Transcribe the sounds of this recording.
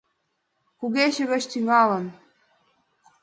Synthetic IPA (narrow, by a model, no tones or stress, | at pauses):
kuɣeɕə̆ɣə̆t͡ɕt̪yŋɑlə̆n